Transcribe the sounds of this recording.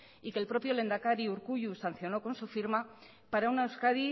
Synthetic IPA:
ikelpɾo̞pjo̞le̞nd̪akaɾiuɾkuʎusanθjo̞no̞ko̞nsufiɾma | paɾaunaewskaði

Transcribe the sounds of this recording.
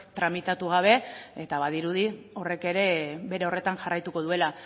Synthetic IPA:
t̪ɾamit̪at̪uɣ̞aβ̞e̞e̞t̪aβaðiɾuðio̞re̞ke̞ɾe̞βe̞ɾe̞o̞re̞t̪aŋʝarajt̪uko̞ð̞ue̞la

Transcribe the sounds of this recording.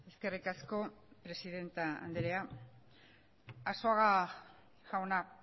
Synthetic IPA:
e̞ske̞rikasko̞pɾe̞siðe̞nt̪aa̰nd̪eɾea | aso̞aɣa | ʝawna

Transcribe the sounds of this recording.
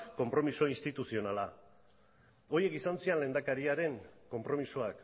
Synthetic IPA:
ko̞mpɾo̞miso̞inst̪it̪usio̞nala | o̞ɾje̞kisansianle̞nd̪akaɾiaɾe̞ŋko̞mpɾo̞misoak

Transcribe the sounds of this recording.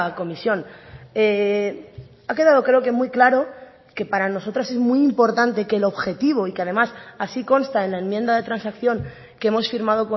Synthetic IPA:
ko̞misjo̞ne | ake̞ðaðo̞kɾe̞oke̞mujklaɾo̞ | ke̞paɾano̞so̞t̪ɾase̞zmwujimpo̞ɾt̪ant̪e̞kelo̞βxe̞t̪iβ̞o̞ikeað̞e̞masasiko̞nst̪aenlae̞mje̞nd̪aðe̞t̪ɾansakθjo̞ŋ | kee̞mo̞sfiɾmað̞o̞ko

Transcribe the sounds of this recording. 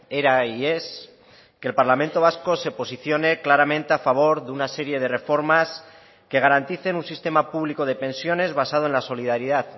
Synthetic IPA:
eɾaies | ke̞lpaɾlamẽnt̪o̞β̞asko̞se̞po̞siθjo̞ne̞klaɾamẽ̞nt̪e̞afaβ̞o̞ɾðeunase̞ɾje̞ð̞e̞re̞fo̞ɾmas | ke̞ɣ̞aɾant̪iθe̞nunsist̪e̞mapuβliko̞ð̞e̞pẽ̞nsjo̞ne̞zβasað̞oe̞nlaso̞liðaɾiðað

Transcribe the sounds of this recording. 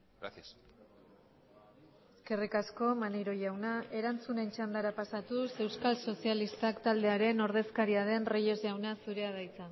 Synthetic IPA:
ɾasias | eske̞rikasko̞maneɾo̞ʝawnaʔe̞ɾant͡sune̞nt͡ʃand̪aɾapasat̪use̞wskalso̞sialist̪akt̪ald̪e̞aɾe̞no̞ɾð̞e̞skaɾiað̞e̞nreje̞zʝawnasuɾe̞að̞ajt͡sa

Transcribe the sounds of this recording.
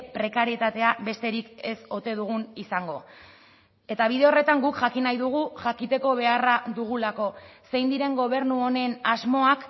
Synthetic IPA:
pɾe̞kaɾiet̪at̪e̞abe̞st̪e̞ɾike̞so̞t̪e̞ð̞uɣ̞unisaŋɡo̞̰ | e̞t̪aβ̞iðe̞o̞re̞t̪aŋɡukʝakinajðuɣ̞uʝakit̪e̞ko̞β̞e̞araðuɣ̞ulako̞se̞jnd̪iɾe̞ŋɡo̞β̞e̞ɾnuo̞ne̞nazmo̞ak

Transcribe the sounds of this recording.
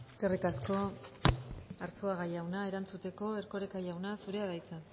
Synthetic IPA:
ske̞rikasko̞ | aɾt͡soaɣajawnae̞ɾant͡sut̪e̞ko̞e̞ɾko̞ɾekajawnasuɾe̞aðajt͡sa

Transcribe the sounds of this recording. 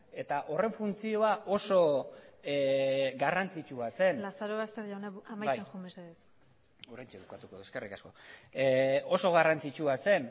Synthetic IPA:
e̞t̪aʔo̞re̞ɱfunt͡sio̞aʔo̞so̞ | ɡarant͡sit͡ʃuase̞nlasaɾoβast̪eɾʎawnaamajbajaxumbesaes | uɾejnt͡ʃeβukat̪ukoðueskerikasko̞̰ | o̞so̞ɣ̞arant͡sit͡ʃuase̞n

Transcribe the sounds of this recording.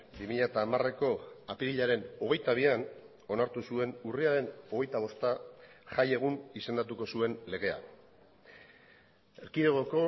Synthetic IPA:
bimiʎat̪aːmare̞ko̞apiɾiʎaɾe̞no̞ɣ̞e̞jt̪aβ̞ian | o̞naɾt̪usue̞nuriaɾe̞no̞ɣ̞e̞jt̪aβ̞o̞st̪aʝaje̞ɣ̞unise̞nd̪at̪uko̞sue̞nle̞ɣ̞e̞a̰ | e̞ɾkiɾe̞ɣ̞o̞ko̞

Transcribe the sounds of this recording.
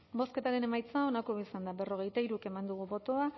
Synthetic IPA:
bo̞ske̞t̪aɾe̞ne̞majt͡sao̞nakoisand̪abe̞ro̞ɣ̞e̞jt̪aiɾuke̞mand̪uɣ̞uβo̞t̪o̞a

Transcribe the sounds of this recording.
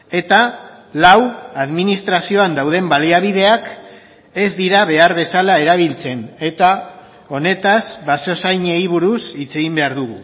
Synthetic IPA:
e̞t̪alawaðminist̪ɾasio̞and̪awð̞e̞mbaliaβ̞iðe̞ak | e̞zd̪iɾaβe̞aɾβe̞salae̞ɾaβ̞ilt͡se̞ne̞t̪a | o̞ne̞t̪asβaso̞sajɲeiβ̞uɾusit͡se̞ɣimbe̞aɾðuɣṵ

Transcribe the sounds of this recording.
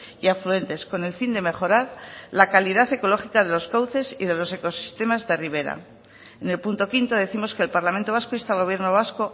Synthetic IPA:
iaflue̞nt̪e̞sko̞ne̞lfind̪e̞me̞χo̞ɾaɾlakaliðaθe̞ko̞lo̞χikaðe̞lo̞skawθe̞siðe̞lo̞se̞ko̞si̥st̪e̞mazðe̞riβ̞e̞ɾa̰ | ene̞lpunt̪o̞kint̪o̞ðe̞θimo̞skelpaɾlamẽnt̪oβaskoist̪alɣ̞o̞β̞je̞ɾno̞β̞asko

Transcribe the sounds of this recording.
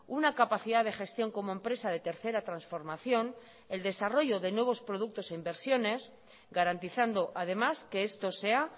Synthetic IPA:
unakapaθiðaðe̞xe̞st̪jo̞ŋko̞mo̞e̞mpɾe̞sað̞e̞t̪e̞ɾθe̞ɾat̪ɾansfo̞ɾmaθjo̞n | e̞ld̪e̞saro̞ʝo̞ðe̞nwe̞β̞o̞spɾoð̞uk̚t̪o̞se̞imbe̞ɾsjo̞ne̞s | ɡaɾant̪iθand̪o̞ʔað̞e̞maske̞est̪o̞se̞a

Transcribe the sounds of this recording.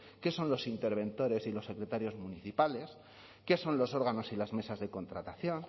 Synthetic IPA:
ke̞so̞nlo̞sint̪e̞ɾβ̞ẽ̞nt̪o̞ɾe̞silo̞sːe̞kɾe̞t̪aɾjo̞zmuniθipale̞s | ke̞so̞nlo̞so̞ɾɣano̞silazme̞sazðe̞ko̞nt̪ɾat̪aθjo̞n

